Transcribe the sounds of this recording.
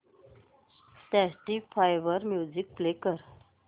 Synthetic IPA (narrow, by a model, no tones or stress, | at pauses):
ʈɛsʈifʰajʋəɾmjud͡zik̚plekəɾ